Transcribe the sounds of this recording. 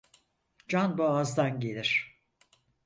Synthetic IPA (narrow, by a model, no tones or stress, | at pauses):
d͡ʒanboazd̪anɟe̞lʲiɾ̝̥